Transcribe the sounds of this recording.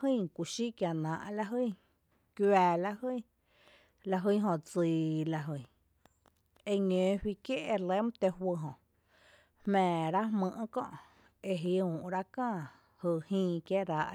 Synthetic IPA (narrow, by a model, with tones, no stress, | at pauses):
hĩ˦˨kʷu˨ʃi˦kja˧˨nãː˨ʔla˧ɦɨ˦˧˨ | kjaː˧la˧hɨ˦˨ | la˧ɦɨ˧˦ɦõ˧t͡si˨la˧ɦɨ˧˨ | e˧ɲẽː˨ɸwi˧kje˦ʔe˧le˦m˦t̪e˧ɦwə˧ɦõ˨ʔ | hmɛ̃ː˨ɾa˦mɨ̃˧ʔkɔ̰̃˦˧ʔ | e˧ɦi˧ũː˨ʔɾa˦kãː˦˧˨ | hɨ˧˨hĩː˧kje˦ɾa˨˧ʔ